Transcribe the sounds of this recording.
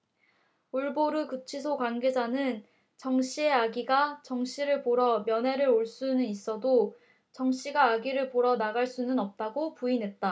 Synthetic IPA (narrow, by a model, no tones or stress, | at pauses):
uɭboɾukɯt͡ɕʰisʰokwanɡe̞d͡ʑanɯn | t͡ɕʌŋɕ͈ʰie̞aɡiɡat͡ɕʌŋɕ͈ʰiɾɯɭpoɾʌmjʌnɦe̞ɾɯɾoɭs͈unɯnis͈ʌdo | t͡ɕʌŋɕ͈iɡaːɡiɾɯɭpoɾʌnaɡaɭs͈unɯnʌp̚t͈aɡopuinɦe̞t̚t͈a